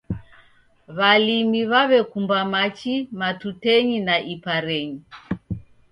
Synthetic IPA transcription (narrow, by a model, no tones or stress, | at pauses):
βalimiβaβɛkumbamat͡ʃimatutɛɲinaʔipaɾɛɲi